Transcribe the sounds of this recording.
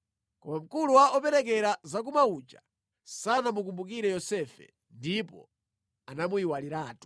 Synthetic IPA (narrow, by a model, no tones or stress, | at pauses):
kɔmam̩kuluwaɔpɛɾɛk̬ɛɾazak̬umaut͡ʃa | sanamuk̬umbuk̬iɾɛjɔsɛfɛ̰ | ndipɔ̰ | anamuiwaliɾaːtu̥